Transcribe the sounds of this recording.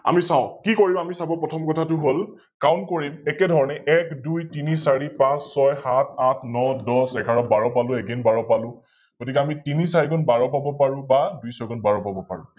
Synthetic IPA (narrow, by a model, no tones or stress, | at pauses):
a̰misaʊ̃kikoɹibamisabɔpɹɔtʰɔmkɔtʰatʊɦol | kawntkoɹimɛkɛdʱɔɹɔnɛʔɛkdujtinisaɹipãsːɔjhatʰatʰnɔdɔsɛkʰaɹɔbaɹɔpalʊ̃ɛɡenbaɹɔpalʊ̃ | ɡ̥otik̬ɛamitinisaɹiɡɔnbaɹɔpabɔpaɹʊ̃badujsɔɡɔnbaɹɔpabɔpa̰ɹʊ̰̃